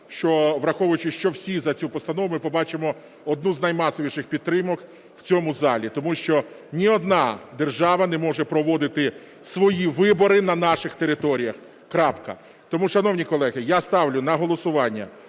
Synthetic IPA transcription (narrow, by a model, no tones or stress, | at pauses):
ʃt͡ʃɔʋɾɐxɔʋʊjʊt͡ʃɪʃt͡ʃɔwsʲizɐt͡sʲupɔst̪ɐnɔʋʊmɪpɔbɑt͡ʃɪmɔ | ɔd̪nuznɐjmɑsɔʋʲiʃɪxpʲid̪t̪ːɾɪmɔk | w̥t͡sʲɔmʊzɑlʲit̪ɔmuʃt͡ʃɔ | nʲiɔd̪nɑd̪erʒɑʋɐnɛmɔʒɛpɾɔʋɔd̪ɪt̪ɪ | sʋɔjiʋɪbɔɾɪnɐnɑʃɪxt̪eɾɪt̪ɔɾʲijɐx | kɾɑpkɐ̰ | t̪ɔmuʃɐnɔwnʲikɔlˠɛɦɪjast̪ɑwlʲʊnɐɦɔlˠɔsʊʋɑnʲːɐ̰